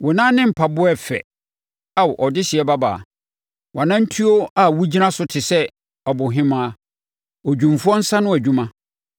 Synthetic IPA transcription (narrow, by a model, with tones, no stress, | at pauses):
wʊ˨nã˦nɪ̃˦m̩˨pʰa˨bʊ˦ɛ˦fɛ̰˨ | a˨wʔɔ˨dɪ˦ɕɪ˨ɛ˦ba˦ba̰˨a̰˨ | wʔa˨nã˦n̩˦tʰi˦o˦a˦˨wu˦d͡ʑi˦nã˦sʊ˦tʰɪ˨sɛ˦ | ɔ˨bʊ˨ɦɪ̃˦mã˦ | ɔ˨d͡ʑᶣũ˨m˨fʊ˦ɔ˦n̩˦sã˦nʊ̃˦æ˨d͡ʑᶣũ˦mã˦